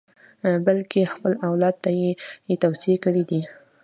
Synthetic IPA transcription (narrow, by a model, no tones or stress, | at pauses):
balkexpəlawlɑd̪̚t̪ajejet̪awsɪekəɽid̪i